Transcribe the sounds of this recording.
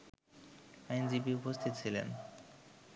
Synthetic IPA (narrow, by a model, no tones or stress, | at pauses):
ajnd͡ʑibiupost̪ʰit̪t͡ɕʰilḛn